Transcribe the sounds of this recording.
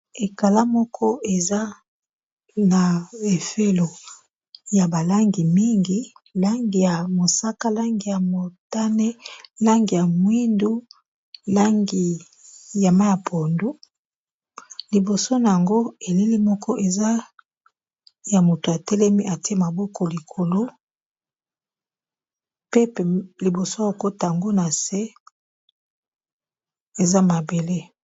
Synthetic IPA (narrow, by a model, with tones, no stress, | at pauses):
e˨ka˨la˦mɔ˦kʰɔ˦ʔe˨za˦ | na˨e˨fe˦lo˨ | ja˨ba˨la˦ŋɡi˨mi˦ŋɡi˨la˦ŋɡi˨ja˨mo˨sa˦ka˦la˦ŋɡi˨ja˨mo˨ta˦ne˦la˦ŋɡi˨ja˨mwi˦ndu˦ | la˦ŋɡi˨ | ja˨ma˦ja˨pʰo˨ndu˦ | li˨bo˨so˦na˨ja˨ŋɡo˦e˨le˦li˦mɔ˦kɔ˦ʔe˨za˦ | ja˨mo˨to˨a˨tɛ˦lɛ˦mi˦ʔa˨ti˦e˦ma˨bɔ˦kʰɔ˨li˨kʰo˨lo˦ | pe˦pli˨bo˨so˦˨o˨ko˦ta˨a˨ŋɡo˦na˨se˦ | e˨za˦ma˨be˨le˦